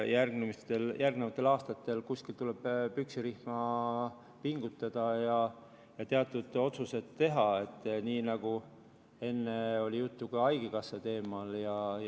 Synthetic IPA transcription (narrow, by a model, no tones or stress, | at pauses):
jærɡnemist̪eljʔærɡnevɑt̪ːˑe̞lɑːst̪ɑt̪ːˑe̞lkuskilt̪uleb̥pyksiɾihmɑ | piŋɡ̥ut̪ːˑɑd̪̥ɑjɑ | jɑt̪e̞ɑt̪ːˑud̪̥o̞t̪suse̞t̪ːe̞ɦɑe̞t̪ːˑniːnɑɡ̥u | e̞nːe̞o̞lʲijut̪ːukɑɑjɡ̥ekɑsːet̪e̞ːmɑljɑ